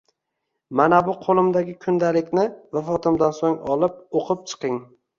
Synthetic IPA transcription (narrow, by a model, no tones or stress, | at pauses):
manabʊqʰolˠɪmd̪aɡʲɪkʰʊnd̪alɪkʲnɪvafɒt̪ʰɪmd̪ansoŋɒlˠɪp̚oqʰɨp̚t͡ʃʰɨ̥qɪŋ